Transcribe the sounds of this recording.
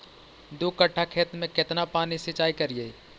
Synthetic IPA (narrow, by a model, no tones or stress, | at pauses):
d̪okəʈʰːakʰeːt̪mẽkɪt̪napaːnisɪt͡ʃaːikəɾie